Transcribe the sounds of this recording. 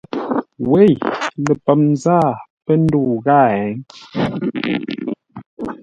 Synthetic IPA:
we˦˨jlə˨pə˨mnzaː˦˨pə˦n̩˦du˦˨ɣa˦˨ɛ˨˦ŋ

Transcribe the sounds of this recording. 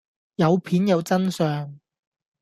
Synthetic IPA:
jɐ˨˧wpʰiː˨˥njɐ˨˧wt͡sɐ˥nsœː˨ŋ

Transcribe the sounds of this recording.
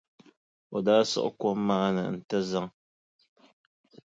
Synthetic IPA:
wa˨daː˦sɨ̰˦ʔkʷɔ˦mːa˦na̰˨n̩˨ta˦za˦ŋ

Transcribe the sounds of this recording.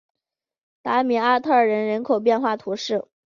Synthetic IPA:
t̪a˧˥mi˧˥a˥t̪ʰɤ˥˩ə˞˨˩ɻə˧˥nɻə˧˥nkʰo˨˩ʊp̬jɛ˥˧nxwa˥˩t̪ʰu˧˥ʂɻ̩˥˩

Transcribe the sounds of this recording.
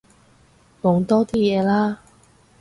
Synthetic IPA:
mo˨˧ŋt̪ɔː˥t̪iː˥jɛː˨˧laː˥

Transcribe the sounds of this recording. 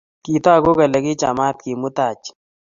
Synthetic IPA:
ki˨t̪ɔ˦a˨ɡo˦ka˨lɛ˨kɪ˦t͡ʃa˨ma˦t̪̚ki˨mʊ˦t̪a˨t͡ʃ

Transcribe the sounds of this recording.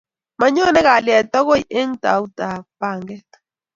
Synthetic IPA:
ma˨ɲɔ˦nɛ˦ka˨ljɛ˨t̪ɔ˦ɣo˦i˨ʔe˦ŋta̰˨u˦ta˨pa˨ŋɡɛ˦

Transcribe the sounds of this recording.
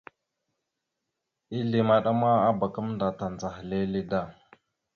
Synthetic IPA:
i˦li˨ma˨ɗa˦ma˦a˦ba˨kə˦mnda˨ta˨nd͡za˨xle˦li˦da˦˨

